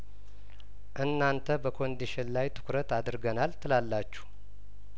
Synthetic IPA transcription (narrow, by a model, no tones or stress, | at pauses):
ʔɨnːant̪ʰəbəkʰo̞nd̪iʃɪnlajt̪ʰɨ̥kʰɾət̪ad̪ɾɡənalt̪ʰɨlalːat͡ʃːu̥h